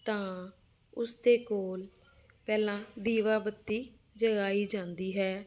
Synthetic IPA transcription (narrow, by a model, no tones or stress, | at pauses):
t̪ãː | ʊsd̪eːkoːl | pɛːlãːd̪iːʋaːbət̪ːiː | d͡ʒəɡaːiːd͡ʒãːnd̪iːɦɛː